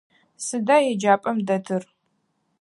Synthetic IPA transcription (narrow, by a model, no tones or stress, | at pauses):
sɨdaːjɛd͡ʒaːpʼɐmdɐtʰɨr